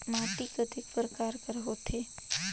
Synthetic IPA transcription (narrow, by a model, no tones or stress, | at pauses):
maːʈikɐd̪ʱɪkpɾəkaːɾkəɾɦoːt̪ʰeː